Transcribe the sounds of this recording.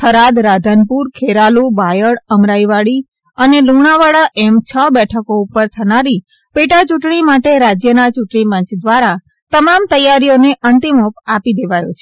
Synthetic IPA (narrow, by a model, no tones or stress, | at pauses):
kʰəɾad̪ɾad̪ʱənpuɾkʰeɾalubajəɽəmɾaiʋaɭi | əneluɳ̃aʋaɭaʔɛmt͡ʃʰəbɛʈʰəkoupəɾt̪ʰənaɾi | peʈat͡ʃuʈɳimaʈeɾad͡ʒjənat͡ʃuʈɳipə̃ɲt͡ʃd̪ʋaɾa | t̪əmamt̪əjaɾijoneʔənt̪imopapid̪eʋajo̰t͡ʃʰe